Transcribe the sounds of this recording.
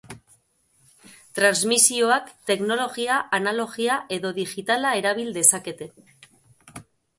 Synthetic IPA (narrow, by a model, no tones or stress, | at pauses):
t̪ɾanzmisio̞akt̪e̞kno̞lo̞ɣiaʔanalo̞ɣiaʔe̞ðo̞ðiɣit̪alae̞ɾaβ̞ild̪e̞sake̞t̪e̞